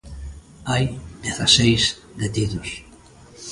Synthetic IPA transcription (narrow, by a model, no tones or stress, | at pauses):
ajd̪eθasejs | d̪et̪iðʊs